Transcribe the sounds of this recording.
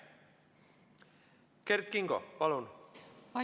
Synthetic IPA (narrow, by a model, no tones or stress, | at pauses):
keɾt̪̚kiŋɡopɑlun